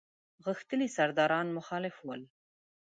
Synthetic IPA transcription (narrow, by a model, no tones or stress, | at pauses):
ɣəxt̪əlisaɾd̪ɑɾɑnmʊxɑlɪfwəl